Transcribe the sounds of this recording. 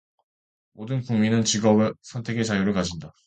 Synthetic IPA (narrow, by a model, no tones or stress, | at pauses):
modɯnkuŋminɯnt͡ɕiɡʌbɯsʰʌntʰe̞ɡe̞t͡ɕajuɾɯɭkad͡ʑinda